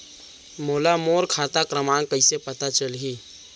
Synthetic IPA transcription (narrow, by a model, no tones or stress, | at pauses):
moːlamoːɾkʰaːt̪akɾəmãkəɪsepət̪at͡ʃəlɦi